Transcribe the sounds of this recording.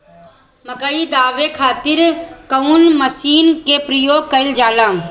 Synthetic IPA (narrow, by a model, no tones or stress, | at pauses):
məkəid̪aːʋekʰaːt̪ɪɾkəunməsiːnkepɾəjoːɡ̚kəɪld͡ʒaːlãː